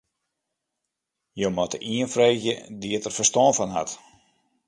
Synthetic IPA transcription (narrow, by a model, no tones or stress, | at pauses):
jowmɔtəʔiənfreːxjə̰diətərfəstɔːnfɔnɦa̰t